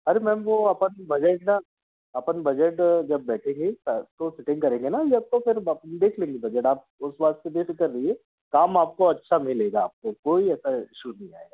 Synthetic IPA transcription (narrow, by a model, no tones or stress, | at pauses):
ɐɾemɛ̃ːmʋoɐpənbɐd͡ʒəʈna | ɐpənbɐd͡ʒəʈd͡ʒɐb̚ːɛːʈʰẽːŋɡist̪osɪʈɪ̃ŋɡkɐɾẽːŋɡenajeap̚kopʰɪɾd̪eːkʰlẽːŋɡibɐd͡ʒəʈaːp̚ʊsbaːt̪sed̪eːkkɐɾːəɦiɦɛ | kaːmaːp̚koɐtːʃʰamɪleːɡaːp̚kokoːiɛːsaɪʃunɐɦĩa̰ːeɡaː